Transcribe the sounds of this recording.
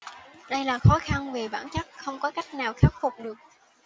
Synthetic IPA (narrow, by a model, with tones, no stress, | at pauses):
ɗə˧jlaː˨˩xɔ˨˦xa˧nve˨˩ɓaː˧˩nt͡ɕa˦˥k̚xə˧wŋ͡mkɔ˨˦ka˦˥jk̟̚naː˨˩wxaː˦˥p̚fʊ˨˩k͡p̚ɗɨ˨˩ək̚